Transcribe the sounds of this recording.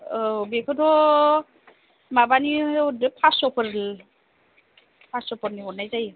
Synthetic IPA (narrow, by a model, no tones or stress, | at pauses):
bekʰɯdɔ | mabaniɔdɯpʰasɔpʰɯɾ | pʰasɔpʰɔɾniɦɔnajzaj